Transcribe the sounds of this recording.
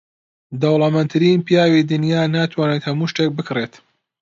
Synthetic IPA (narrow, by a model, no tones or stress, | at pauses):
d̪ɐwlˠɐmɐnt̪ʰɨɾiːnpijaːwid̪ɨnjaːnaːt̪ʰwaːnet̪hɐmuːʃt̪ek̚bɨkreːt̪